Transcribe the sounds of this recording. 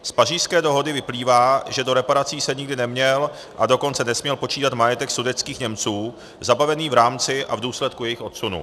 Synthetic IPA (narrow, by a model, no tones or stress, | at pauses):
spaʒiːskɛːdo̞ɦo̞dɪvɪpliːvaːʒɛdo̞ɾɛpaɾat͡siːsɛɲɪɡdɪnɛmɲɛl | ʔado̞ko̞nt͡sɛnɛsmɲɛlpo̞t͡ʃiːt̪at̪majɛt̪ɛksudɛt͡skiːxɲɛmt͡suː | zabavɛniːvɾaːmt͡sɪʔa̰vduːslɛt̪kujɛjɪxʔot̪sunṵ